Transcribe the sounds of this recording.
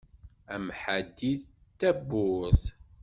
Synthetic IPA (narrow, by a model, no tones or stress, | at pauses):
æmħad̪ːiθt̪ːæbːʊθ